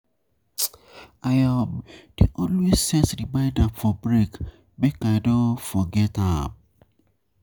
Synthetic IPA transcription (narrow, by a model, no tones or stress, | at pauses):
ajad̥eʔɔlwesːɛtdibaɪdãfɔbɹek | bekaɪdõfɔɡɛtãm